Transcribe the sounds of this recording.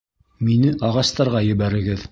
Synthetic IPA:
minɘʔɑʁɑst̪ɑɾʁɑjɘ̆βæɾɘ̆ɡɘð

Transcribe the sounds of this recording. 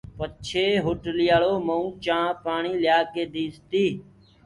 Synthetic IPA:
pət͡ʃʰeːɦʊʈlɪjaːɭoːməũːt͡ʃãːpaːɳiːljaːkeːd̪iːst̪iː

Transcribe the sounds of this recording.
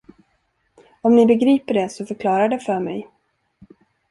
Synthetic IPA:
ɔmnɪbɛɡɾiːpəɖɛsɔfœɾkʰlɑːɾaɖɛfœːɾmɛ̰j

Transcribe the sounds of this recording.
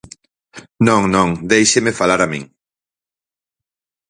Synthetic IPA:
nõŋnõŋd̪ejʃemɪfalaɾamḭ̃ŋ

